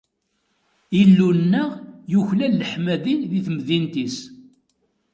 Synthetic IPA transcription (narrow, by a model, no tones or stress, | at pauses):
ilːunːəʁjuçlælːəħmæðinðiθmðint̪is